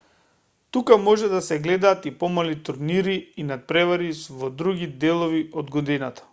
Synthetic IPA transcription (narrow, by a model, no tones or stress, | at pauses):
t̪ukamɔʒɛd̪asɛɡlɛd̪aːt̪ipɔmalit̪uɾniɾiːnat̪̚pɾɛvaɾisvɔd̪ɾuɡid̪ɛlˠɔviɔd̪ɡod̪inat̪ḁ